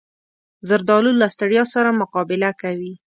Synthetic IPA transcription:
zəɾd̪ɑlulːast̪aɽjɑsaɾamʊqɑbɪlakawi

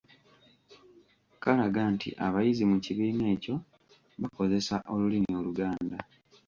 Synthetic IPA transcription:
kalaɡaːntʰḭʔaβajizimuciβiːne̞ːco̞ | βako̞ze̞saʔo̞lulino̞ːluɡaːnda

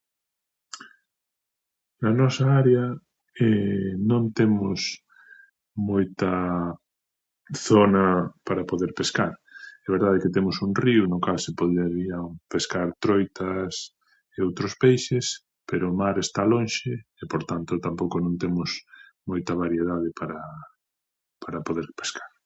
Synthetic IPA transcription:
nɐanɔsɐaɾeɐ | ɛnõŋt̪emʊs | mojt̪ɐ | θonɐpaɾapoðeɾpeskaɾɛβ̞eɾðaðeket̪emʊsuŋriʊnʊkalsepoðeɾiɐŋpeskaɾt̪ɾojt̪ɐs | eowt̪ɾʊspejʃes | peɾoːmaɾest̪alõnʃɪːpoɾt̪ant̪ot̪ampowkonõnt̪emʊsmojt̪ɐβaɾjeð̞aðepaɾɐ | paɾɐpoðeɾpe̥skḁɾ

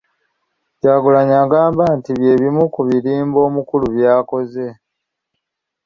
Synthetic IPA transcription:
jaːɡulaɲaːɡaːmbantiβje̞ːβimukuβiɾiːmbo̞ːmukuluβjaːko̞ze̞

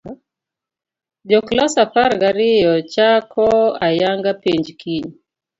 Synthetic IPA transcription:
d͡ʒɔklɔsafaɾɡaɾɪjɔt͡ʃakʰɔajaŋɡapeɲd͡ʒkʰiɲ

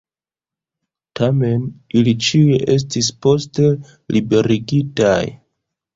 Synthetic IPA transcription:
tame̞nilit͡ʃieʔe̞s̬tispo̞ste̞ | lʔibe̞ɾiɡitaj

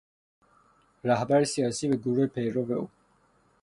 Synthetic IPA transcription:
ɾæhbæɾesijɒːsiːbeɡuɾuːhepʰejɾoveuː

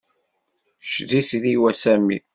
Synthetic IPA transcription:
ʃðisðiwæsæmi

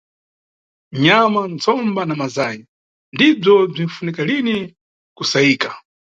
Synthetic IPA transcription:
ɲamant͡sʰɔmbanamazaji | ndib͡ʐɔb͡ʐinfunikalini | kusaiːkḁ

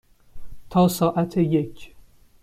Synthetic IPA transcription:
t̪ʰɒːsɒːʔæt̪ʰejekʰ

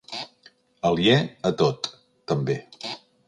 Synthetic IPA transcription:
əljɛət̪ot̪ː | əmbe

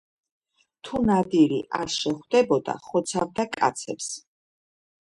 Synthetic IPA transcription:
t̪ʰunad̪iɾḭʔaɾʃɛχwd̪ɛbɔd̪a̰χɔt̪sʰavd̪akʼa̰t̪sʰɛps

